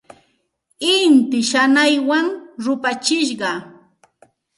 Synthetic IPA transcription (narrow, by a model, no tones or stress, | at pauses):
ɪnt̪ɪʃanajwaŋɾʊpat͡ʃɪʃɢɑ